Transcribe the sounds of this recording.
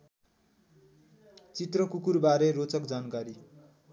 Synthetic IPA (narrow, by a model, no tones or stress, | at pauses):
t͡sit̪rʌkukurbaɾerot͡sʌkd͡zankaɾi